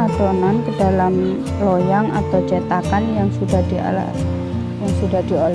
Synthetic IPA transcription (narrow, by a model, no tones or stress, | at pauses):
at̪onankədalam | lojaŋa̰t̪awt͡ʃet̪akanjaŋsudahdia̰la̰ | jaŋsudahd̥iol